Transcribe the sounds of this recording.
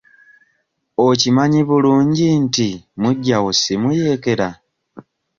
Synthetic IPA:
ocimaɲiβuluːɲɟintimuɟːawosimuje̞ːke̞ɾa

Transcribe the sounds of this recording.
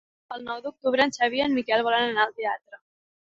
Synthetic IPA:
əlˠnɔwðuk̚t̪uβɾənsaβ̞iənmikɛlˠβɔlanənaəlˠt̪eat̪ɾə

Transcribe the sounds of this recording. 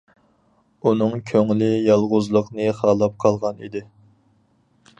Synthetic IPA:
unɨŋkʲʰøŋlɪjɑlˠʁʊzlˠəqnɨχɑːlˠɑp̚qʰɑlˠʁɑnḭd̪ɪ

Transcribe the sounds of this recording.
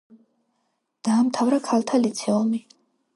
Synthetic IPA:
d̪̥aːmt̪ʰavɾakʰalˠt̪ʰalit̪sʰɛumi

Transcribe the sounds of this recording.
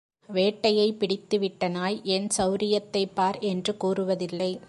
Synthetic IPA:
ʋeːʈːɐjɐɪpɪɽɪt̪ːɯʋɪʈːɐnaːjɛnsɐʊɾɪjɐt̪ːɐɪpːaːɾɛndrɯkuːrɯʋɐðɪlːɐɪ

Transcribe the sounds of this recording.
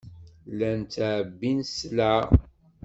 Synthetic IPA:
lænt̪ʕbːinsla

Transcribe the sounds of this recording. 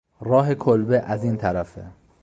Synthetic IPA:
ɾɒːɦe̞kʰolbeʔæziːnt̪ʰæɾæfḛ

